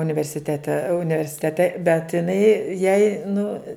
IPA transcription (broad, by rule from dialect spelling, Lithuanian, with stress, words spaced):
ʊnʲɪʋʲɛrʲsʲɪˈtʲæːtʲɛ ʊnʲɪʋʲɛrʲsʲɪˈtʲæːtʲɛ bʲɛt ɪˈnɐɪ jɛɪ nʊ